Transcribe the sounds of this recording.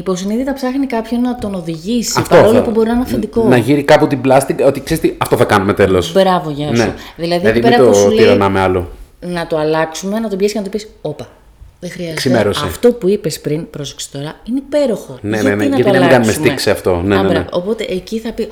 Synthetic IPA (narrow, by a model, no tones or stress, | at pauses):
ipo̞siniðit̪ɐpsɐxnikɐpçonɐt̪o̞no̞ðiʝisiɐftpɐoɾolopubo̞ɾinɐnɐfed̪ikonɐʝiɾikɐput̪iblɐst̪iko̞t̪iksezet̪iɐft̪oθɐkɐnume̞t̪e̞lossbɾɐvo̞ʝɐnsneðilɐðiɐðieɾɐt̪osiɾɐnɐmeɐlo̞nɐt̪oɐlɐksume̞nɐt̪obʝesicenɐt̪opiso̞pɐ | ðexɾiɐzesimmeɾosɐeft̪o̞puipespɾinpɾo̞se̥ksi̥t̪o̞ɾɐinepe̞ɾo̞xo̞neeninɐɐt̪oemlɡɐnumesumikseɐft̪o̞neɾɐeo̰po̞t̪e̞ʔeciθɐpi